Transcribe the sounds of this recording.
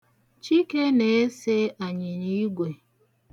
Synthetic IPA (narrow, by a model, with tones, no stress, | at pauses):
t͡ʃi˦ke˦ne˨˦e˦se˦a˨ɲɪ˨ni˦ɡʷe˨